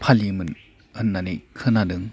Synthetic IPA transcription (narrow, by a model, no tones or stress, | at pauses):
pʰalimɯn | ɯnːanikʰɯnadɯŋ